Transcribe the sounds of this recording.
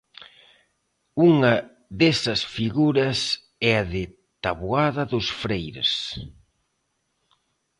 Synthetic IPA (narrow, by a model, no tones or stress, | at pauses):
uŋɐ | ðesɐsfiɣuɾɐs | ɛɐðɪ | t̪aβwaðɐðʊsfɾejɾḛs